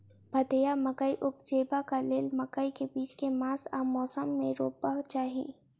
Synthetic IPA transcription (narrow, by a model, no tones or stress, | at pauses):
bʱɐt̪ejamɐkəiʔʊp̚d͡ʒeːbakaleːlmɐkəikebiːt͡ʃkemãːsaːmɔːsəmːẽɾoːpbaɦt͡ʃaːɦiḛ̃ː